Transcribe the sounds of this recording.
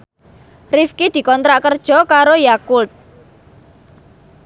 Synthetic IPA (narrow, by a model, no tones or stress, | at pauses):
rifkid̪̥i̤kɔnt̪ɾaʔkərd̥ʒ̥ɔ̤kaɾojakʊlt̪̚